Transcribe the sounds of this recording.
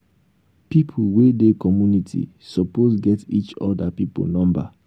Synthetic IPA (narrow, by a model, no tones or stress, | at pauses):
pipʰuwedekɔmjunitʰḭ | sɔposɡɛtit͡ʃɔ̰dapipo̰nɔ̃mba̰